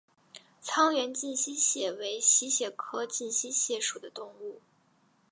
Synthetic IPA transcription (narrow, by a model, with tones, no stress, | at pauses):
t͡sʰɑ˥ŋɥɛ˧˥nt͡ɕi˥˩nɕi˥ɕjɛ˨˩we˧˥ɪɕi˥ɕjɛ˨˩kʰɤ˥t͡ɕi˥˩nɕi˥ɕjɛ˥˩ʂu˨˩d̪ə˦t̪ʊ˥˧ŋu˥˩